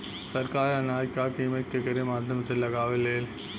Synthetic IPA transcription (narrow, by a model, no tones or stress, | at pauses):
sɐɾkaːɾɐnaːjkːaːkimɐt̪̚kɐkːɐɾemaːd̪ʱjɐmɐsɪlːɐkaːʋɪlːeːl